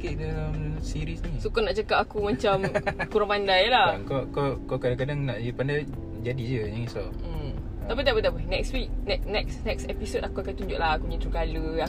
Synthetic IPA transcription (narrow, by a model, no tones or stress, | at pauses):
keʔdalamsiɾisnisukanaʔt͡ʃəkapakumãt͡ʃamakuɾampandajlakokokakadãŋkadaŋnaʔjəpandaj | d͡ʒadid͡ʒəɲaŋisaə | t̪apit̪aʔpit̪aʔpənɛkswik̚nɛk̚nɛksnɛksɛpisotakuakajt̪uɲd͡ʒʊʔlahakuɲit̪ɾukaləa